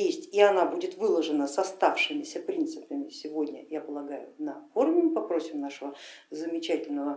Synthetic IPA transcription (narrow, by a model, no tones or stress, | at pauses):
jesʲtʲiɐnabudʲɪt̪vɨlˠəʐɨnəsɐst̪afʂɨmʲɪsʲəpɾʲint̪sɨpəmʲɪsʲɪvo̞dʲnʲə̰japəlˠɐɡajʊnɐfo̞rmʲɪmɨpɐpɾo̞sʲɪmnaʂəvəzəmʲɪt͡ɕætʲɪlʲnəvə